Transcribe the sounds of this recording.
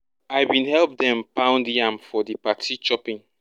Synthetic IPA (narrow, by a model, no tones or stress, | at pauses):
ajbĩnhɛlp̚dɛ̃mpãʊ̃ndãmfɔdipatʰit͡ʃɔpĩŋ